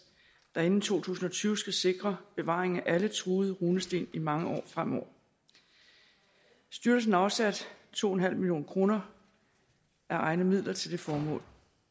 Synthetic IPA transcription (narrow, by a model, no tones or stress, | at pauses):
d̥ɑe̝nn̩t͡sʰo̝̰ːt͡sʰṵːsn̩ɒ̽t͡sʰyːʊsɡ̥æse̝ɡ̥ʁɐb̥e̝ʋɑ̰̈ːe̝ŋ̩æʔælət͡sʰʁuːð̞̩ˠʁuːnəsd̥e̝̰ːnimɑ̈ŋəʔɒ̰ːfʁam̰ɒ̰ː | sd̥yɐl̩s̬n̩æɐɑʊsæd̥t͡sʰo̝̰ːhenɦæl̰dmiljo̝̰ːnkʰʁo̝ːnɐ | ʔæɐʔɑ̈ɪnəmið̞̰ˠlɐt͡sʰe̝ld̥e̝fɒːmɔ̰̽ːl